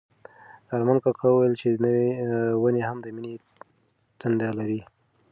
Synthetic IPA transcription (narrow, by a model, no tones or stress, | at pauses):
d̪aɾmankakʰawəwajəlt͡ʃenəwewənehamd̪əmine | t̪and̪alaɾi